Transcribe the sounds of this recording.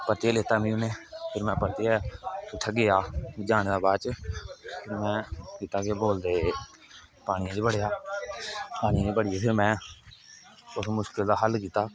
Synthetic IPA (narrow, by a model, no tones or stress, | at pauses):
pət̪eːleːt̪aːmĩːʊneːpʰɪɾmɛ̃ːpəɾt̪eɛːɪʈʰːaɡɪjaːd͡ʒaːñːd̪aːbaːt͡ʃ | pʰɪɾmɛ̃ːkiːt̪aːkeboːld̪eː | paːɽ̃iːãːd͡ʒbəɽejaː | paːɽĩːd͡ʒbəɽɪːeːpʰɪɾmɛ̃ː | ʊsmʊʃkɪld̪aːɦəlkiːt̪aː